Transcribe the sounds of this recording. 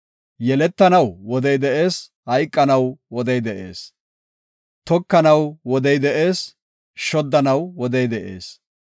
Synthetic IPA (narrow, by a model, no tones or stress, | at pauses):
jɛlɛt̪ːɐnɐwwɔd̪ɛjd̪ɛʔeːs | hɐjkʼːɐnɐwwɔd̪ɛjd̪ɛʔeːs | t̪ɔkːɐnɐwwɔd̪ɛjd̪ɛʔeːs | ʃɔd̪ːɐnɐwwɔd̪ɛjd̪ɛʔḛːs